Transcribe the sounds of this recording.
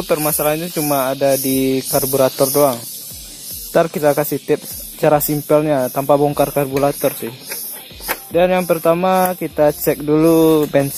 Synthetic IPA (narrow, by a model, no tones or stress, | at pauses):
pərmasalaɦit̪ut͡ʃumaːdadikarbuɾat̪ɔrdoaŋ | t̪arkit̪akasɪht̪ɪp̚ | t͡ʃaɾasimpəlɲat̪ampabɔŋkarkarbuɾat̪ɔrsɪh | danjaŋpərt̪amakit̪at͡ʃɛk̚dulubɛns